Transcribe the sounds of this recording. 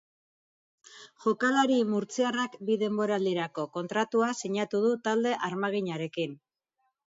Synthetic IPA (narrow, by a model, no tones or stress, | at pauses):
ʝokalaɾimuɾt͡siarakbiðe̞mbo̞ɾald̪iɾako̞ko̞nt̪ɾat̪uasiɲat̪uð̞ut̪ald̪e̞ʔaɾmaɣ̞iɲaɾe̞kin